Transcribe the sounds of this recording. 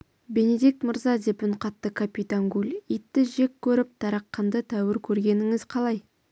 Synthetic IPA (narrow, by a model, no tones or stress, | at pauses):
be̞ne̞d̪ik̚t̪məɾzɑd̪e̞pʊɴqɑt̪ːəkʰapʲit̪aŋɡʲulʲit̪ːɪʒe̞kʲʰːɵɾɪp̚t̪ʰɑɾɑqːɑnd̪ət̪ʰæwɪɾkʲʰɵɾɡʲe̞nɪŋɪzqʰɑlˠɑj